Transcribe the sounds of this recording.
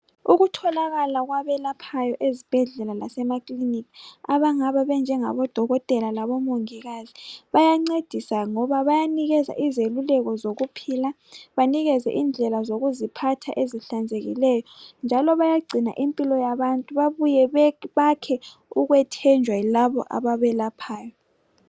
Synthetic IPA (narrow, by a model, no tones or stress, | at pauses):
uɣutʰɔlaɣalaɣwaβɛlapʰajɔʔezib̥ʱɛɮɛlalasɛmakʼlinikaβaŋaβaβɛnd͡ʒʱɛŋa̰βɔd̥ʱɔɣɔtʼɛlalaβɔmoŋiɣaziβajaŋ͡ǀed̥ʱisaŋɔβaβajaniɣɛza̰ʔizelulɛɣɔzoɣupʰila | βaniɣɛzɛ̰ʔind͡ɮʱɛlazoɣuzipʰatʰa̰ʔeziɬand͡zʱeɣḭlɛjɔnd͡ʒʱalɔβajaɡ͡ǀʱina̰ʔimpʼilɔjaβantʼuβaβujɛβakʰɛ | uɣwɛtʰɛnd͡ʒʱwailaβɔ̰ʔa̰βaβɛlapʰaːjɔ